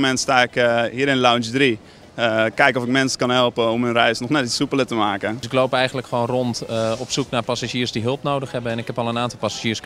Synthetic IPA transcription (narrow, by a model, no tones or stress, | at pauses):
mɛntstaːɪkhiəɪnlawnsdri | kɛjkɔfɪk̚mɛnsə̥kanhɛlˠpəɔmənrɛjsnɔxnɛtisupələtəmaːkəsɪklowpɛjɣən̩tləkxʋoːnrɔntɔpsuknapasaʒiərsdiɦɵlˠpnoːdəxhɛbəɛnɪkhɛpalˠənaːntɑlˠpasaʒiːəs